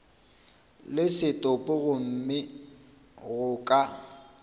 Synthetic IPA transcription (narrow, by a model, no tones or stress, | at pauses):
lɪsɪtʼʊpʼʊɣʊm̩mɪ | ɣʊkʼa